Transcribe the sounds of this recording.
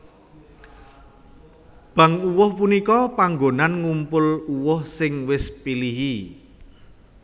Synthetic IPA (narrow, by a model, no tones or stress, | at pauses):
b̥ä̤ŋuwʊhpunikɔpaŋɡonanŋumpʊluwʊhsɪŋwɪspiliɦi